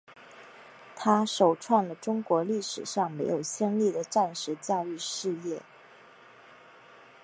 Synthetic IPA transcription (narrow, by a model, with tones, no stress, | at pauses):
t̪ʰa˥ʂo˨˩ʊʈ͡ʂʰwa˥˩nlə˩ʈ͡ʂʊ˥ŋkwɔ˧˥li˥˩ʂɻ̩˨˩ʂɑ˥˩ŋme˧˥ɪjo˨˩ʊɕjɛ˥˧nli˥˩d̪ə˩ʈ͡ʂa˥˩nʂɻ̩˧˥t͡ɕjɑ˥˧ʊy˥˧ʂɻ̩˥˧jɛ˥˩